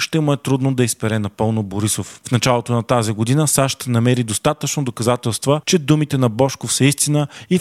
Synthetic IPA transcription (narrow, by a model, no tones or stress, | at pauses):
ʃt̪ɛmʊɛt̪ɾud̪nod̪ɐispɛɾɛnɐpɤlˠnoboɾisoffnɐt͡ʃalˠot̪onɐt̪aziɡod̪inəsaʃt̪nɐmɛɾid̪ost̪at̪ət͡ʃnod̪okɐzat̪ɛlˠst̪vət͡ʃɛd̪umit̪ɛnɐbɔʃkofsəist̪inəi